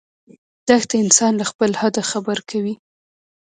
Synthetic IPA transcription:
d̪̥axt̪aɪnsɑnlaxpəlhad̪axabəɾkʰawi

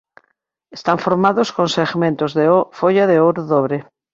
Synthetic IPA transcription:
est̪aɱfoɾmaðoskonseɣmẽnt̪ozðeofoʎaðeoɾoðoβɾe

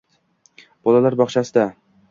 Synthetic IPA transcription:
b̥ɒlalaɾbɒχt͡ʃʰasɪd̪a

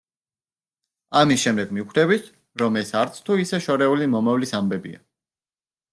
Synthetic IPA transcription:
amisʃɛmd̪ɛɡmiukʰɾɛβit̪ʰ | ɾɔmɛsaɾt̪sʰt̪ʰuisɛʃɔɾɛulimɔmavlisambɛbḭa̰

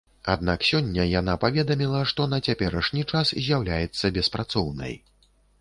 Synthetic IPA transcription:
a̰d̪̚naksʲɔnʲːɐjanapavʲɛd̪ɐmʲilˠɐʂt̪ɔn̪ɐt͡sʲapʲɛɾɐʂnʲit͡ʂaszʲjawlʲajɛt̪sːɐbʲɛspɾat̪sɔwnɐ̰j

